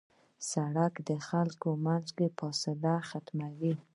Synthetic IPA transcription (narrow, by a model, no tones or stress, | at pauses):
saɽakd̪əxalkomanzkepɑsad̪axat̪mawi